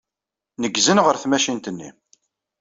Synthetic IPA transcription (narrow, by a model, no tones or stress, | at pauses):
nəɡzənʁəɾθmæʃint̪ənːḭ